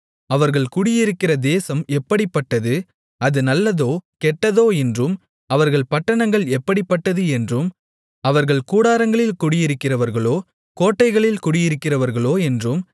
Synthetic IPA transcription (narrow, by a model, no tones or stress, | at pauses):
ɐʋɐɾɣɐɭkʊɽɪjɪɾɯkːɪrɐd̪eːsɐmɛpːɐɽɪpːɐʈːɐðɯ | ɐðɯnɐlːɐðoːkɛʈːɐðoːɛndrɯm | ɐʋɐɾɣɐɭpɐʈːɐɳɐŋɡɐɭɛpːɐɽɪpːɐʈːɐðɯɛndrɯm | ɐʋɐɾɣɐɭkuːɽaːɾɐŋɡɐɭɪlkʊɽɪjɪɾɯkːɪrɐʋɐɾɣɐɭoː | koːʈːɐɪɣɐɭɪlkʊɽɪjɪɾɯkːɪrɐʋɐɾɣɐɭoːɛndrɯm